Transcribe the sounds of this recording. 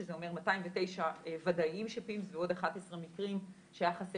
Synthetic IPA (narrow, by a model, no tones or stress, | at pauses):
ezeo̞me̞ʁmataimvete̞jʃaevadaimʃepimsveo̞d̪aχatesʁemikʁim | ʃeajaχase